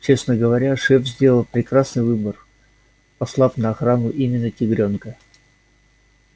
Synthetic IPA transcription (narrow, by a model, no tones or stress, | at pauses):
t͡ɕe̞snəɡəvɐɾʲaʂɛfzʲdʲe̞lˠəlˠpɾʲɪkɾasnɨjvɨbər | pɐslˠafnəɐxɾanʊʔimʲɪnːətʲɪɡɾʲo̞nkə